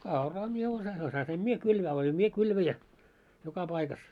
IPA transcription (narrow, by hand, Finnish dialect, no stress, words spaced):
no kɑurɑː mie osɑ osɑsim mie kylʋæː olʲim mie kylʋæjæ jokɑ pɑikɑs